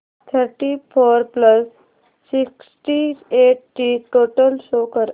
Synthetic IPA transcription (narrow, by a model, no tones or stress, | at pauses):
t̪ʰəɾʈifoɾpləsː | iksʈieʈʈiʈoʈəlsokəɾ